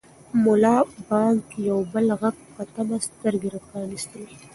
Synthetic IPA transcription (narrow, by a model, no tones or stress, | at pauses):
mʊlɑbɑŋkijawbəlɣaɡ | kat̪amast̪əɾɡeɾapɑnist̪əl